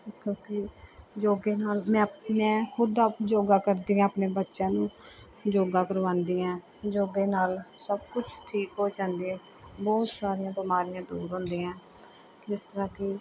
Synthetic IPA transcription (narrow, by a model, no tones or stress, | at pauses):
kjõːkɪd͡ʒoːɡeːnaːlmɛ̃ːmɛ̃ːkʰʊd̪ad͡ʒoːɡaːkəɾd̪iːãːəpneːbətːʃãːnũː | d͡ʒoːɡaːkəɾʋãːnd̪iːãː | d͡ʒoːɡeːnaːlsəb̚kʊt͡ʃʰʈʰiːkɦoːd͡ʒãːnd̪iːãː | bɔːt̪saːɾijãːbɪmaːɾɪjãːd̪ṵːɾɦõːnd̪iːãː | d͡ʒɪst̪əɾãːkɪ